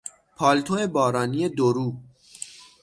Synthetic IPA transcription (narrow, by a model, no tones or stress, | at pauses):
pʰɒːlt̪ʰoebɒːɾɒːniːed̪oɾuː